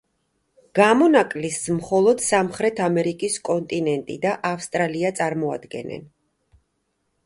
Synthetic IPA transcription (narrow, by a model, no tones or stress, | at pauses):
ɡ̥amɔnakʼlismχɔlˠɔd̪̥samχɾɛt̪ʰamɛɾikʼiskʼɔnt̪ʼinɛnt̪ʼḭd̪aʔafst̪ʼɾaliat̪sʼaɾmɔa̰d̪ɡɛ̰nɛ̰n